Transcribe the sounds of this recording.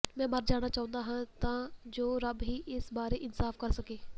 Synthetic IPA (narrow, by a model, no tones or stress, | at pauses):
mɛ̃ːməɾd͡ʒaːñaːt͡ʃaːʊ̃nd̪aːɦãːt̪ãːd͡ʒoːɾəbɦiːʔɪsbaːɾeʔɪnsaːfkəɾsəkeː